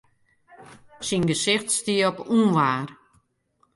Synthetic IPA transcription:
sinɡəsɪxtstiɔpunʋaːr

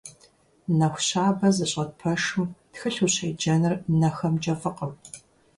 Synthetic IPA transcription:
nɐxʷɕaːbɐzɨɕʼɐt̚pʰɐʂɨmtxɨɬuɕejd͡ʒɐnɨrnɐxɐmd͡ʒɐfɨqəw

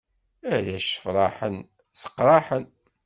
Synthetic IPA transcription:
æðæʃə̥fɾˤɑħən | sə̥qːɾˤɑħən

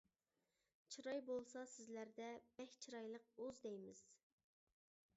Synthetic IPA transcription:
t͡ʃʰɨɾɑjbolˠsɑsɪzlæɾd̪ɛb̥ɛkʲt͡ʃʰiɾɑjlˠəq̚uzd̪ɛjmɪz̥

